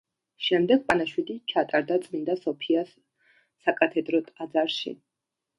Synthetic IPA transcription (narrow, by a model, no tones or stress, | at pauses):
ʃɛmd̪ɛɡ̚pʼanaʃwid̪it͡ʃʰat̪ʼaɾd̪at̪sʼmind̪asɔpʰiasː | akʼat̪ʰɛd̪ɾɔt̪ʼad̪zaɾʃḭ